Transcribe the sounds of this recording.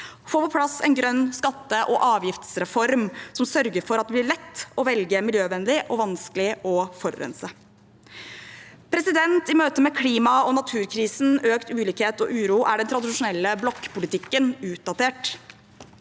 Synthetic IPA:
foːpʰɔpʰlɑsɛnɡɾœnːskɑt̪ːəʔɔʔɑːʋjɪft̪sɾɛfɔɾmsɔmsœɾɡəɾfɔɾɑt̪̚d̪ɛblɪɭɛt̪ːɔʋɛlɡəmɪljøːʋɛnlɪʔɔʋɑnsklɪɔfɔɾːœ̰nsə | pʰɾɛsɪd̪ɛnt̪ɪmøːt̪əmɛkʰliːmɑɔnɑt̪ʰʉːɾkʰɾiːsn̩øːkt̪ʉːliːkheːt̪ɔʔʉːɾuːʔæɖɛnt̪ɾɑd̪ɪʂʊnɛlːəblɔkːpʰʊlɪt̪ʰɪkːənʉːt̪̚d̪ɑt̪eːʈ

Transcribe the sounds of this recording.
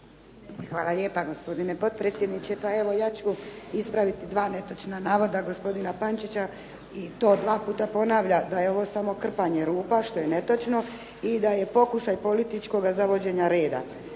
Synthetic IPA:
xʋaːlale̞paɡo̞spo̞d̪ine̞po̞t̪̚pɾet̪sjed̪nit͡ɕepae̞ʋo̞jaːt͡ɕuispɾaʋit̪id̪ʋaːne̞t̪ot͡ʃnanaːʋo̞d̪aɡo̞spo̞d̪inapant͡ʃit͡ɕa | it̪o̞ːd̪ʋaːpuːt̪apo̞naːʋʎad̪ajeo̞ʋo̞samo̞kr̩paɲe̞ɾuːpaʃt̪o̞jene̞t̪ot͡ʃno̞ | id̪aje̞po̞kuʃajpo̞lit̪it͡ʃko̞ɡazaʋo̞d͡ʑe̞ɲaɾe̞ːd̪a̰

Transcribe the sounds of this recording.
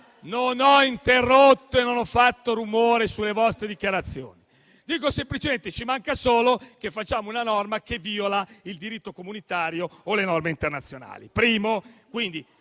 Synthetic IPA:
nonɔint̪erːot̪ːoenːonɔfːat̪ːoɾumoːɾesulːevɔst̪ɾed̪ikjaɾat̪sːjo̰ːni | d̪iːkosemplit͡ʃement̪et͡ʃimaŋkasoːlok̟efːat͡ʃːaːmounanɔrmakeviːolaild̪iɾit̪ːokomunit̪aːɾjoːlenɔrmeint̪ernat̪sːjona̰ːlḭpɾiːmokwind̪i

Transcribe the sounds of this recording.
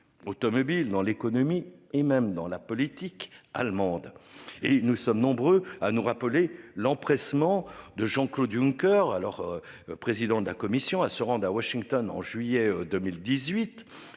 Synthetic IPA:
ot̪ɔmɔbild̪ɑ̃lekɔnɔmiemɛmd̪ɑ̃lapɔlit̪ika̰lmɑ̃d̪enusɔmnɔ̃bʁøanuʁapəlelɑ̃pχɛsmɑ̃d̪əʒɑ̃klod̪yŋkʲœʁalɔʁ | pχezid̪ɑ̃d̪əlakɔmisjɔ̃asəʁɑ̃d̪ʁawaʃiŋt̪ɔnɑ̰̃ʒɥijɛd̪ømild̪izɥit̪

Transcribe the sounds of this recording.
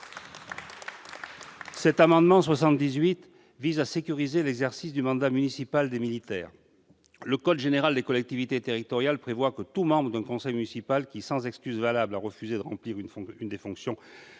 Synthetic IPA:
sɛt̪amɑ̃d̪mɑ̃swasɑ̃t̪̚d̪izɥit̪ | vizasekʲyʁizelɛɡzɛʁsisd̪ymɑ̃d̪amynisipald̪emilit̪ɛːʁ | ləkɔd̪ʒeneʁald̪ekɔlɛk̚t̪ivit̪et̪eʁit̪ɔʁjalpχevwakət̪umɑ̃bʁəd̪ɛ̃kɔ̃sɛjmynisipalkʲisɑ̃zɛkskʲyzvalablaʁəfyzed̪əʁɑ̃pliʁnynd̪efɔ̃ksjɔ̃

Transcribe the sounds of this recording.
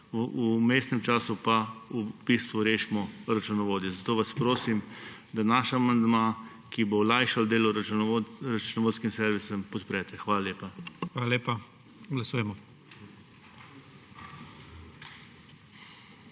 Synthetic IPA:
umesnɛmt͡ʃaːsupaub̥ist̪ʋuɾeːʃmɔɾat͡ʃunɔʋoːd̪jɛzat̪oːʋaspɾoːsimd̪anaːʃaamand̪maː | kiboɔlaːjʃald̪eːlɔ | ɾat͡ʃunɔʋoːt̪skimsɛɾʋisɛmpɔt̪pɾɛt̪ɛxʋaːlaleːpaxʋaːlaleːpa | ɡlasuːjɛmɔ

